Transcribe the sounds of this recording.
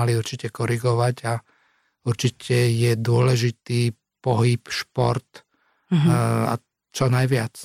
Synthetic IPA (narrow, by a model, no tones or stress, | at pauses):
aliuɾt͡ʃicɛkɔɾiɡɔʋaɟa | uɾt͡ʃicʰɛjɛd̪ʊɔlɛʒit̪iː | pɔɦipʃpɔɾt̪ | a̰ | t͡ʃɔnajʋɪat͡s